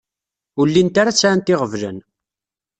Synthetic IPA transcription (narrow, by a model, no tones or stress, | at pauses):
ʊlːint̪aɾat͡sːaant̪ɪʁəvlə̰n